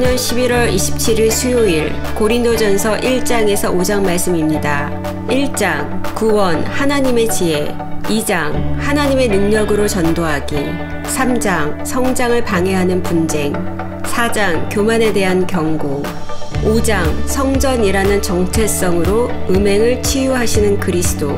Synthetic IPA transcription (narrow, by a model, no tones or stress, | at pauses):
ɲʌnɕʰibiɾwʌɾiɕʰi̥p̚t͡ɕʰiɾiɭsʰuoiɭkoɾindod͡ʑʌnsʰʌʔiɭt͡ɕ͈aŋe̞sʰʌod͡ʑaŋmaɭs͈ɯmimɲida | iɭt͡ɕ͈aŋkuwʌnhanaɲime̞t͡ɕie̞ | id͡ʑaŋhanaɲime̞nɯŋɲʌɡɯɾot͡ɕʌndoɦaɡi | sʰamd͡ʑaŋsʰʌŋd͡ʑaŋɯɭpaŋe̞ɦanɯnpund͡ʑe̞ŋ | sʰad͡ʑaŋkjomane̞de̞ɦankjʌŋɡo | od͡ʑaŋsʰʌŋd͡ʑʌɲiɾanɯnt͡ɕʌŋt͡ɕʰe̞s͈ʌŋɯɾoɯme̞ŋɯɭt͡ɕʰijuɦaɕʰinɯnkɯɾisʰɯ̥d͈o̰